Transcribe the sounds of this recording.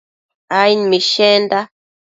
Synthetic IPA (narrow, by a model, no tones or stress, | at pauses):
ainmiʃɛnda